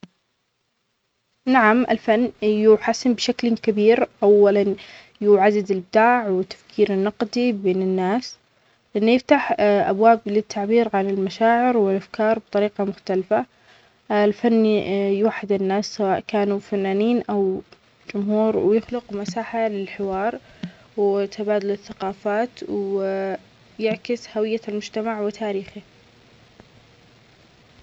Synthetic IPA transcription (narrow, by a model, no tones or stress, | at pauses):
naʕamʔɪ̰lfanːjuːħasːɪmbʃaklkabiːɾʔawːalan | juːʕad̪ɪd̪ɪlbɪd̪aːʕwɪt̪ːḁfkʰiːɾɪnːɑqd̪ibeːnɪnːaːs | lɪʔanːjɪft̪aħʔabwaːblɪt̪ʰːaʕbiːɾʕanɪlmaʃaːʕɪɾwɪlʔafkɑːɾˤbt̪ˤɑɾiːqɑmʊxt̪alfa | lfanːjwaħːɪd̪ɪnːaːsːawaːʔkaːnufanːaːniːnʔaw | d͡ʒʊmhuːɾwjɪxlʊqmasaːħalɪlħɪwɑːɾˤ | wɪt̪ʰabaːd̪ʊlɪθːaqɑːfaːt̪ww | jɪʕkɪshawɪjːalmʊd͡ʒt̪amaʕwɪt̪ʰaːɾiːxi